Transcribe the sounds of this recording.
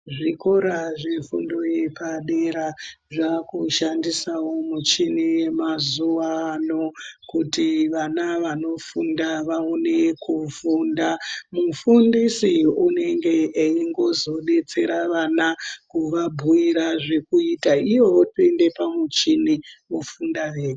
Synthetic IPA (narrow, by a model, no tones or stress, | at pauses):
ʐikoɾaʐefṵndo̞je̞paɗeɾaʐakuʃandisawo̞mut͡ʃinijemazuʋaːno̞kutiʋanaʋano̞fundaʋaone̞kʰufundamufundisiune̞ŋɡe̞ːiŋɡo̞zo̞ɗe̞t͡se̞ɾaʋanakuʋabʱujiɾaʐe̞kuitaiʋo̞ʋotue̞nde̞pamut͡ʃiniofundaʋeːre